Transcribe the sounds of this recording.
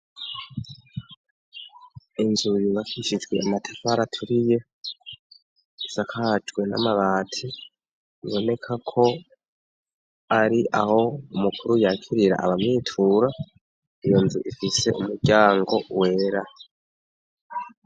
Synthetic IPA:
inzujiβakʰiʃid͡ʒɡwe̞amatʰḁfaɾatʰuɾije̞ | sakʰad͡ʒɡwe̞na̰maβaːtʰi | iβo̞ne̞kʰakʰo̞ | aɾiʔaho̞umukʰuɾujaːkʰiɾiɾa̰ʔa̰βamɲiːtʰuɾa | ijo̞nzuʔifise̞̰ʔumuɾɟaːŋɡo̞we̞ːɾa

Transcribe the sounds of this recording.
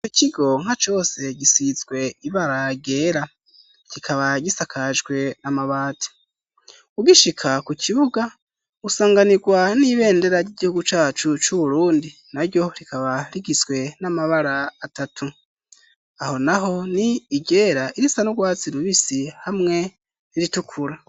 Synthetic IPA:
ocʰiɡo̞ŋ̥hat͡ʃo̞ːse̞ɟisizɡwe̞iβaɾaɡe̞ːɾa | ɟ̥ikʰaβaɟisakʰaʒɡwe̞namaβaːtʰi̥ | uɡiʃikʰakucʰiβuɡa | usaːŋɡaniɡwaniβe̞ːnde̞ɾaɾɟiɟihuɡut͡ʃaːt͡ʃut͡ʃuβuɾuːndi | naɾjo̞ɾikʰaβaɾiɡizɡwe̞namaβaɾaːtatʰu | aho̞naɦo̞niːɡe̞ːɾaiɾisanuɡwaːt͡siɾuβisihamŋe̞ | iɾitukʰuɾa

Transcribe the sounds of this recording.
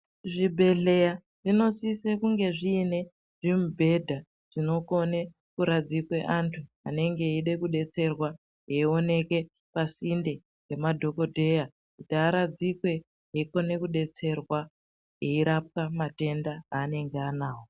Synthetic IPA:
ʐibʱe̞ɮe̞ja | ʐino̞sisekuŋɡe̞ʐiːne̞ | ʐimubʱe̞dʱa | ʐ̥ino̞ko̞ne | kuɾad͡zikwe̞ʔantʰu | a̰ne̞ŋɡe̞iɗe̞kuɗe̞t͡se̞rwa | ɦeio̞ne̞ke̞ | pasinde | ɡe̞madʱo̞kodʱe̞ja | kutaːɾad͡zikwe̞ | ɦeiko̞ne̞kuɗe̞t͡se̞rwa | ɦeiɾap̚kamate̞ndaaːne̞ŋɡeanaːwo

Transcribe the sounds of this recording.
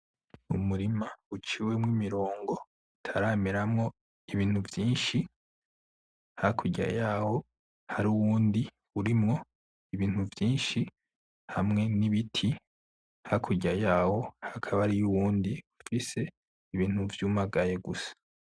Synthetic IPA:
ṵmuɾimaut͡ʃiwe̞mŋimiɾo̞ːŋɡo̞ | tʰaɾaːmiɾamŋo̞ | iβiːn̥huvjiːnʃi | hakʰuɟa̰jaːho̞ | haɾuwuːndi | uɾimŋo̞ | iβiːn̥uvjiːnʃi | hamŋe̞niβitʰi | hakʰuɟajaːho̞hakʰaβaɾijuwuːndiufise̞ | iβiːn̥huvjuːmaɡajeɡusḁ

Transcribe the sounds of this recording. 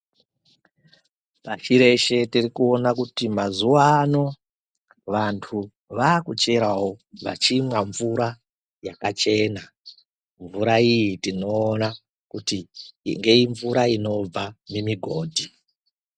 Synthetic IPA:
paʃiɾe̞ʃe̞tirikuonakutimazuwano̞ | ʋantʰu | ʋaːkut͡ʃe̞ɾawo̞ʋa̰t͡ʃimwaɱvuɾa | jakat͡ʃe̞na | ɱvuɾaijitino̞ːna | kutiŋɡe̞iɱvuɾaino̞b͡vamemiɡʱo̞ːdʱi

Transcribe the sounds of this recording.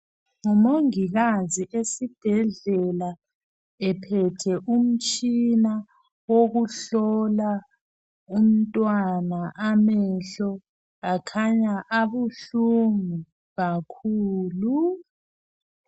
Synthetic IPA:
ŋɔmoŋiɣaziʔesib̥ʱɛɮɛla | ɛpʰɛtʰɛʔum̩t͡ʃʼina | woɣuɬɔla | um̩tʼwanaʔamɛɬɔ | ɣakʰaɲaʔaβuɬuŋu | ɣakʰuːlu

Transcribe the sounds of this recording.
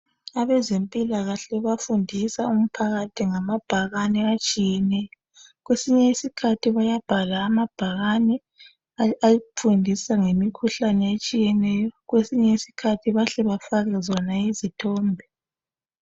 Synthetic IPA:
aβɛzempʼilaɣaɬɛβafundʱisaum̩pʰaɣatʰiŋamab̥ʱaɣanɛat͡ʃʼijɛnɛjɔ | ɣwesiɲɛisikʰatʰiβajab̥ʱalaːmab̥ʱaɣanɛ | ajifundʱisaŋemikʰuɬanɛet͡ʃʼijɛnɛjɔɣwesiɲɛisi̥kʰatʰiβaɬɛβafaɣɛzɔnaizitʰɔːmbʱɛ

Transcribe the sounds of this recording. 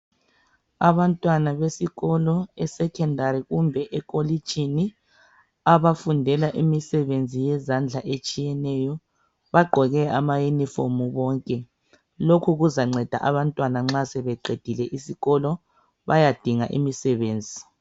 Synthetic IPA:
aβantʼwanaβesiɣɔlɔɛsɛkʰɛndʱaɾiɣumbʱɛʔɛkʼoli̥d͡ʒ̥ʱini | aβafundʱɛlaʔimisɛβend͡zʱijɛzand͡ɮʱaʔet͡ʃʼijɛnɛjɔ | βaɡ͡ǃʱɔɣɛamajunifomuβɔːŋkʼɛ | lokʰuɣuzaŋ͡ǀɛd̥ʱa̰ʔaβantʼwanaŋ͡ǁasɛβɛǃed̥ʱilɛʔisiɣɔlɔ | βajad̥ʱiŋaʔḭmisɛβeːnd͡zʱi

